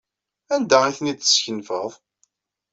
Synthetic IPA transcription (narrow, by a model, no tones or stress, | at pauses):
ænd̪æiθniə̥sçənfəðˤ